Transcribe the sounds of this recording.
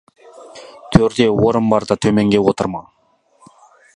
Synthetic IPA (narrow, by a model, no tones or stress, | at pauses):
t̪ʰøɾd̪ewoɾəmbɑɾd̪ɑt̪ʰɵmeŋɡʲewot̪əɾmɑ